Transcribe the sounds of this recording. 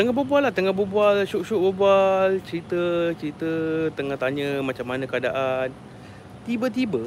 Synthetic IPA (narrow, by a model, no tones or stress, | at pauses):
t̪əŋaɦbəbualat̪əŋãbəbualʃuʔʃuʔbəbualt͡ʃəɾit̪ət͡ʃəɾit̪ət̪əŋaht̪aɲə̃mat͡ʃamːanə̃kəadaʔan | t̪ibət̪̬ibə